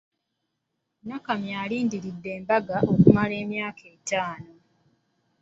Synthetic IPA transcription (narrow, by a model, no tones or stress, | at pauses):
nakamjaːliːndiɾidːe̞ːmbaɡaʔo̞kumale̞ːmjaːkʰe̞ːtaːno̞